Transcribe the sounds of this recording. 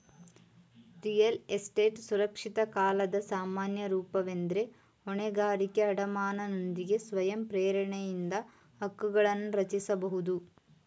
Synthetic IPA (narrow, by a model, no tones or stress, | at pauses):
t̪ijelesʈeːʈsuɾɐkʂit̪ɐkaːlɐd̪ɐsaːmaːnjɐɾuːpɐʋend̪ɾe | oɳeɡaːɾikʲːɐɐɽɐmaːnɐnɐnd̪iɡesʋɐjɐmpɾeːɾɐɳɐjind̪ɐ | ɐkːuɣɐɭɐnɾɐt͡ʃisɐbɐɦud̪u